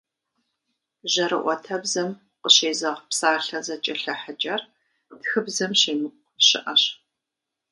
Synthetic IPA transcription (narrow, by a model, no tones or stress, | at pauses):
ʑɐɾɨʔʷɔtʰɐbzɐm | qʷʼəɕeːzɐʁpsaːɬɐzɐt͡ʃʼɐɬɐħət͡ʃʼɐr | txɨbzɐmɕeːmɨ | ɕɪʔɐɕ